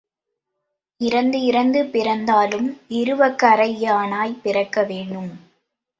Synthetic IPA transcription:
ɪɾɐnd̪ɯɪɾɐnd̪ɯpɪɾɐnd̪aːlɯmɪɾɯʋɐkːɐɾɐjːaːnaːjpɪɾɐkːɐʋeːɳɖɯm

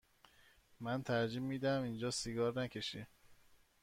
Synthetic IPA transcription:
mænt̪ʰæɾd͡ʒimːiːd̪æmind͡ʒɒːsiɡɒːɾnækʰeʃi

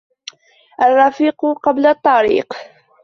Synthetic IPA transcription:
ʔarˤːɑfiːqʊqɑblat̪ˤːɑɾḭːq

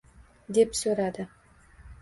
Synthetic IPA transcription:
d̪e̞psɵɾad̪ɪ

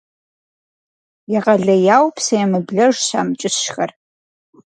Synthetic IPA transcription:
jaʁɐɮɐjaːwpʰsɐjɛmɨbɮɐʐɕa̰ːmt͡ʃʼɪsʃxɐr

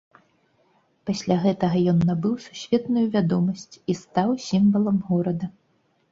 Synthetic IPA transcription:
pasʲlʲaɣɛt̪ɐɣɐjɔnːabɨwsu̥sʲvʲɛt̪nujuvʲad̪ɔmɐsʲt͡sʲist̪awsʲimvɐlˠɐmɣɔɾɐd̪ɐ

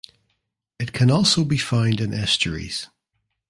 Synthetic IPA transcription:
ɪtkʰə̃nɔˑlˠsoʊbifãɪ̃ndɪ̃nʔɛstəɹḭz̥

